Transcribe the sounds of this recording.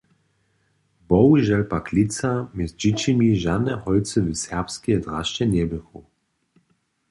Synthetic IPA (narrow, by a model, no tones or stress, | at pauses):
bɔwiʒɛlpaklit̪t͡samɛzd͡ʑit͡ɕimiʒad̪nɛhɔj̪t͡sɨvɨsɛʁpskiɛd̪ʁaʃt͡ʃɛnʲɛbɨxu